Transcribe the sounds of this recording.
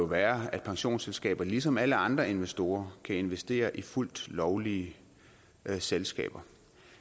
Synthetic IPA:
oʋæːɐæd̥̚pʰɑ̈ŋɕo̝̰ːnselsɡ̥ɛ̰ːb̥ɐlisɒ̽mæləɑ̈nd̥ʁɐe̝nʋesd̥o̝ːɐkʰæe̝nʋesd̥e̝̰ːɐʔiful̰d̥lɒʊliə | selsɡ̥ɛ̰ːb̥ɐ

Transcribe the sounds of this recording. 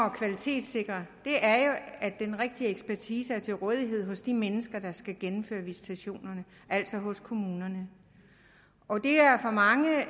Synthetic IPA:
ɒ̽kʰʋælit͡sʰe̝̰ːd̥se̝ɡ̥ʁɐd̥e̝ʔæɐjo̝æd̥enʁeɡ̥̚d̥ieɡ̥sb̥æɐt͡sʰiːsəæɐt͡sʰe̝lʁɔ̽ːð̞ˠiɦe̝ð̞̰ˠɦɔ̽sd̥imenəsɡ̥ɐd̥ɑ̈sɡ̥æɡ̥enm̩fø̰ːɐʋisi̥t͡sʰæɕo̝̰ːnɐnə | ʔæl̰sɒ̽ɦɔ̽skʰo̝muːnɐnə | ɒ̽d̥e̝æɐfɒmɑ̈ŋə

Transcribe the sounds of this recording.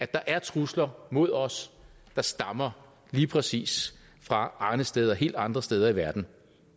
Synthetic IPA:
æ̥ɑ̈ʔæɐt͡sʰʁuslɐmo̝ð̞̰ˠɒ̽s | d̥ɑ̈sd̥ɑ̈mɐ | liːpʰʁɛsḭːs | fʁɑ̈ɑ̈ɪnəsd̥eːð̞ˠɒ̽ɦe̝̰ːld̥ɑ̈nd̥ʁɐsd̥eːð̞ˠɐiʋæɐd̥n̩

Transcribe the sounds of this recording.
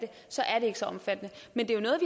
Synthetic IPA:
d̥e̝ | sɒ̽ʔæɐd̥e̝e̝ɡ̥əsɒ̽ɒ̽mfæd̥ənəmend̥e̝jo̝nɔ̽ːð̞̩ˠʋi

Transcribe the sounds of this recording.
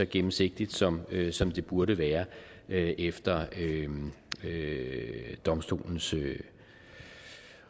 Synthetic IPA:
ɒɡ̥emm̩se̝ɡ̥̚d̥id̥sɒ̽møsɒ̽md̥e̝b̥uɐɾəʋæːɐøʔefd̥ɐø | ø | d̥ɒ̽msd̥o̝̰ːln̩sø

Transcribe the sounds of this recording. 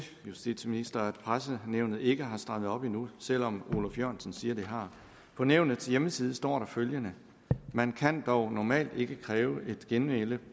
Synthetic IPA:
jusd̥ḭd̥sminisd̥ɐæd̥pʰʁasəneʊ̰nð̞̩ˠe̝ɡ̥əɦɑ̈sd̥ʁɑ̈ð̞̩ˠɒ̽b̥inusel̰ɒ̽mo̝lɒfjøɐ̰nsən̩siːɐd̥e̝ɦɑ̈ | pʰɒ̽neʊnð̩ˠt͡sʰe̝jeməsiːð̞̩ˠəsd̥ɒ̰ːɾ̥ɑ̈føljənə | mænkʰænd̥ɒʊnɒmɛ̰ːld̥e̝ɡ̥əkʰʁɛːʊʔe̝d̥ɡ̥enʋelə

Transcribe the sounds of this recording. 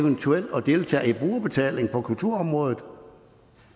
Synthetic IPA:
ʋənt͡sʰuel̰ɒ̽d̥e̝lt͡sʰɛ̰ːeb̥ʁuːɐb̥e̝t͡sʰɛ̰ːle̝ŋpʰɒ̽kʰult͡sʰuɐ̰ɒ̽mʁɔ̽ːð̞ˠð̩ˠ

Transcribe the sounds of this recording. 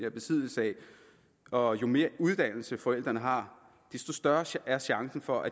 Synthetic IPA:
næɐb̥e̝sʰið̰ˠl̩səɛ | ɒ̽jo̝me̝ːɐuð̞ˠd̥æn̰l̩səfɒ̽el̰d̥ʁɐnəɦɑ̈ | d̥e̝sd̥o̝sd̥ɶɐæɐɕɑ̈ŋsn̩fɒ̽ʔæ

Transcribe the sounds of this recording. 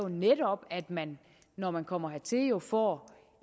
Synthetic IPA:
o̝neɾ̥ɒ̽b̥æd̥mænː | ɒmænkʰɒ̽m̰ɐhæɐt͡sʰe̝jo̝fɒ̰ː

